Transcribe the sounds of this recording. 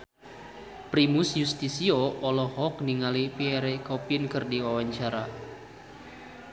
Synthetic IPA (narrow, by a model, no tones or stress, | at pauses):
pɾimʊsjust̪isioɔlɔhɔk̚niŋalipiɛɾekɔpinkɨrdiwawaɲt͡ʃaɾa